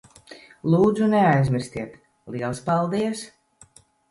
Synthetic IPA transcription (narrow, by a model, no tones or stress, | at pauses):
lˠuːd̪zuneajzmʲiɾst̪iɛt̪ | lˠiɛlˠspalˠd̪iɛs